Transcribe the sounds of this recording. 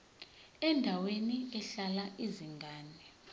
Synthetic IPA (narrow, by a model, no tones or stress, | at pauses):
ɛndʱaweniɛɬalaʔiziŋɡaːnɛ